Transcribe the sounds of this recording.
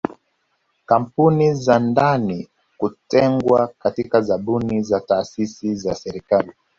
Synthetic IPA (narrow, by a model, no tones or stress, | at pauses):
kam̩punizandani | kutɛŋɡwakatikazaɓunizataːsisizasɛɾikali